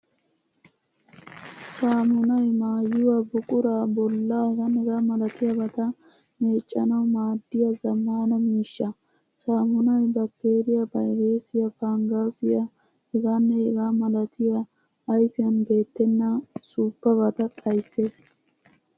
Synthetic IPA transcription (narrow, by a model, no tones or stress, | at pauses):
saːmʊnɐjmaːjʊwabʊkʼʊɾaːbɔlːahɛɡɐnːɛɡaːmɐlɐt̪ɪjabɐt̪ɐ | me̞ːt͡ʃʼːɐnɐwmaːd̪ːɪjɐzɐmːaːnɐmiːʃːɐ | saːmʊnɐjbɐk̚t̪ːe̞ːɾɪjabɐjdeːsɪjɐfaŋɡaːsɪjɐ | hɛɡanːɛɛɡaːmɐlɐt̪ʰɪjɐː | jfɪjɐnbe̞ːt̪ːɛnːɐsuːbːɐbɐt̪ɐt̪ʼɐjsːe̞ːs